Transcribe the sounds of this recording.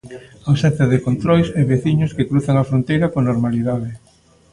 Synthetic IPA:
awsɛn̟θjaɐðekont̪ɾojseβeθiɲʊskekɾuθaŋafɾont̪ejɾɐkonoɾmaliðaðe

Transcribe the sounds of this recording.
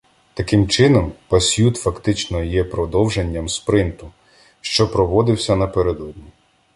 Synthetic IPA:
t̪ɐkɪmt͡ʃɪnɔmpɐsʲjut̪fɐkt̪ɪt͡ʃnɔjɛpɾɔd̪ɔwʒenʲːɐmspɾɪnt̪ʊ | ʃt͡ʃɔpɾɔʋɔd̪ɪwsʲɐnɐpeɾed̪ɔd̪ʲnʲi

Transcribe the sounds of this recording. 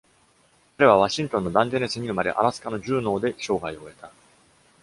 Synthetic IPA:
kaɾe̞β̞aβ̞aɕĩnt̪õ̞nːo̞d̪ãnd̪enesɨɲ̟iɯ̟maɾḛʔa̰ɾasɨ̥kano̞ʑɨːno̞ːd̪e̞ɕo̞ːɡaio̞e̞t̪a

